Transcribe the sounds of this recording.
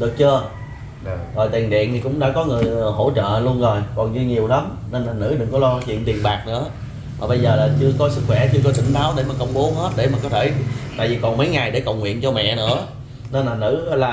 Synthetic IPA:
ɗɨ˨˩ək̚t͡ɕə˧ | zɔ˨˩jt̪i˨˩ənɗḭ˧˨ənt̪ʰi˨˩kʊ̰˧˥ŋ͡mɗa̰ː˧˥kɔ˨˦ŋɨ˨˩əjɦo̰˧˩t͡ɕə̰ː˧˨lu˧ənzo˨˩jkɔ˨˩nɲɨ˧ɲi˨˩əwla˨˦m | ne˧nlaː˨˩nɨ̰˧˥ɗɨ˨˩ŋkɔ˨˦lɔ˧t͡ɕḭ˧˨ənt̪i˨˩ənɓaː˨˩k̚nɨ̰˧˥ə | maː˨˩ɓə˧jzəː˨˩laː˨˩t͡ɕɨ˧əkɔ˨˦sɨ˦˥k̚xwɛ˧˩t͡ɕɨ˧əkɔ˨˦t̪ï˧˩˨ŋ̟ɓaː˨˦wɗe˧˩maː˨˩kə˧wŋ͡mɓo˨˦hə˦˥t̚ɗe˧˩maː˨˩kɔ˨˦t̪ʰe˧˩t̪a̰ː˧˨jvi˨˩kɔ˨˩nmə˨˦jŋa˨˩jɗe˧˩kə˨˩wŋwḭ˧˨ənt͡ɕɔ˧mɛ̰˧˨nɨ̰˧˥ə | ne˧nlaː˨˩nɨ̰˧˥laː˨˩

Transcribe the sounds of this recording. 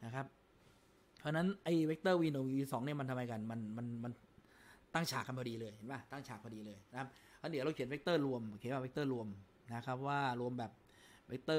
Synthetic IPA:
na˦˥kʰa˦˥p̪̚ʰ | ɔː˧˥˧na˦˥nʔa˧˩jwe˦˥k̚t̪ɤː˥˩wiː˧nu˨˩˦iː˧sɔː˩˦ŋni˥˩ɐma˧nt̪ʰa˧mːa˧jka˧nma˧nma˧nma˧n | t̪a˥˩ŋt͡ɕʰaː˨˩k̚a˧npʰa˧iː˧lɤː˧jhe˩˦ma˦˥˩t̪a˥˩ŋt͡ɕʰaː˨˩k̚pa˧diː˧lɤː˧jna˦kʰa˦˥p̪̚ʰ | aː˦˥di˨˩˦wɾa˧wkʰi˩˦nwe˦˥k̚t̪ɤː˥˩ɾu˧əm˨˩kʰːwa˥˩we˦˥k̚t̪ɤː˥˩ɾu˧əm | na˦˥kʰa˦˥p̚waː˥˩ɾu˧əmbɛː˨˩p̚ | we˦˥k̚t̪ɤː˥˩

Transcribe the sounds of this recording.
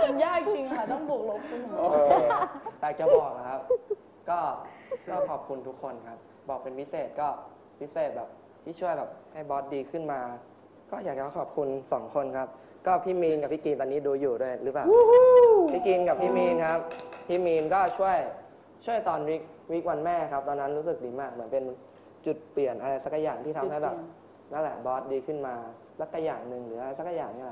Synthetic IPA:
jaː˥˩k̚i˨˩t͡ɕi˧ŋka˦˩t̪ɔː˥˩ŋp̪ʰu˨˩k̚lo˦˥k̚ʰu˧˩n˨˦oː˧jaː˨˩k̚t͡ɕa˨˩bɔː˨˩k̚la˧˩kʰa˦˥p̚ | kɔː˥˩kɔː˥˩kʰɔː˨˩p̚kʰu˧nt̪ʰu˦˥kʰːo˧nkʰa˦˥p̚ | bɔː˨˩k̚pe˧npʰi˦˥seː˨˩t̪̚kɔː˥˩ | wʰi˦˥seː˨˩t̪̚bɛː˨˩p̚ | t̪ʰiː˥˩t͡ɕʰu˥˩əjbɛː˨˩p̚ha˥˩jbɔː˦˥t̪̚diː˧kʰɯ˥˩nmaː˧ | kɔː˥˩jaː˨˩k̚t͡ɕa˨˧˥kʰɔː˨˩p̚kʰu˧nsɔː˩˦ŋkʰo˧nkʰa˦˥p̚ | kɔː˥˩pʰiː˥˩miː˧nka˨˩pʰiː˥˩ki˧nt̪ɔː˧ni˦˥duː˧juː˨˩du˥˩əjɾɯː˦˥plaː˨˩ | pʰiː˥˩ki˧nka˨˩p̚ʰːiː˥˩miː˧nkʰa˦˥p̚pʰiː˥˩miː˧nkɔː˥˩t͡ɕʰu˥˩əj | t͡ɕʰu˥˩əjt̪ɔː˧nwi˦˥k̚wi˦˥k̚wa˧nmɛː˥˩kʰa˦˥p̚t̪ɔː˧nːa˦˥nɾu˦˥sɯ˨˩k̚diː˧maː˥˩k̚mɯ˩˦ənpe˧n | t͡ɕu˨˩t̪̚pli˨˩ənʔa˧ɾa˧jsa˧˥kːa˧˩jaː˨˩ŋt̪iː˥˩t̪ʰa˧mɦa˥˩bɛː˨˩p̚ | na˦˥lɛː˨˩˦bɔː˦˥t̪̚diː˧kʰɯ˥˩nmaː˧ | la˦˥kːa˧˩jaː˨˩ŋnɯ˨˧ŋlɯː˩˦ʔa˧ɾa˧jsa˨˦˥kːa˧˩jaː˨˩ŋniː˥˩lɛ˧

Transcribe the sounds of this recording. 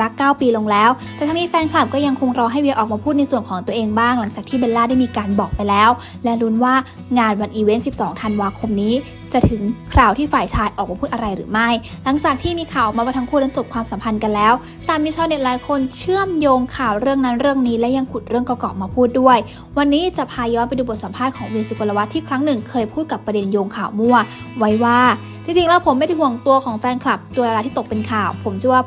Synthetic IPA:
ɾa˦˥kːaː˥˩wpiː˧lo˧ŋlɛː˦˥wt̪ɛ˨˩t̪ʰa˧˥niː˦˥fɛː˧nkʰla˨˩p̚kɔː˥˩ja˧ŋkʰo˧ŋɾɔː˧ɦa˥˩jwi˧ʔɔː˨˩k̚maː˧pʰuː˥˩t̪̚a˧jsu˨˩ənkʰɔː˩˦ŋt̪u˧əʔeː˧ŋbaː˥˩ŋla˩˦ŋt͡ɕaː˨˩kt̪ʰiː˥be˧laː˥˩da˥˩jmiː˧kaː˧nbɔː˨˩k̚pa˧jlɛː˦˥w | lɛ˦˥ɾu˦˥nwaː˥˩ | ŋaː˧nwa˧nʔiː˧we˦˥nsi˨˩p̚sɔː˩˦ŋt̪ʰa˧nwaː˧kʰo˧mniː˦˥ | t͡ɕa˨˩t̪ʰɯ˨˩˦ŋkʰɾaː˨˩wt̪ʰiː˥˩faː˨˩jt͡ɕʰaː˧jʔɔː˨˩k̚maː˧uː˥˩t̪ʔa˧ɾa˧jɾɯ̰ː˩˦ma˥˩jla˩˦ŋt͡ɕaː˨˩k̚t̪ʰiː˥˩miː˧kʰaː˨˩wʔɔː˨˩k̚mː˧waː˥˩t̪a˧˥ŋkʰuː˥˩na˦˥nt͡ɕo˨˩p̚kʰwaː˧msa˨˦mpʰa˧nka˧nlɛː˦˥w | t̪ɛː˨˩miː˧t͡ɕʰa˧wne˨˩t̚laː˨˦jkʰo˧nt͡ɕʰɯ˥˩əmjoː˧ŋkʰaː˨˩wɾɯ˥˩əŋna˦˥nɾɯ˥˩əŋniː˦˥lɛ˦˥wja˧ŋkʰu˨˩t̪̚ɾɯ˥˩əŋka˧wkɔ̰ː˨˩k̚maː˧pʰuː˥˩t̪̚du˥˩əj | wa˧nːiː˦˥t͡ɕa˨˩pʰaː˧jɔː˦˥npa˧jduː˧bo˨˩t̪̚sa˨˩˦mpʰaː˥˩t̪̚kʰɔː˩˦ŋwiː˧su˨˧ko˧la˧wa˦˥t̪ʰːiː˥˩kʰɾa˦˥ŋnɯ˨˩ŋkʰɤː˧jpʰuː˥˩t̪̚ka˨˩pːɾa˧de˧njoː˧ŋkʰaː˨˩wmu˥˩ɐ | wa˦˥jwaː˥˩ | t͡ɕi˧ŋt͡ɕi˧ŋlɛː˦˥wpʰo˩˦mːa˥˩jda˥jhu˨˩əŋt̪u˧əkʰɔː˩˦ŋfɛː˧nkʰla˨˩p̚t̪u˧ɾa˧la˧t̪ʰiː˥˩o˨˩k̚pe˧nkʰaː˨˩wpʰo˩˦mt͡ɕʰɯ˥˧˩waː˥˩

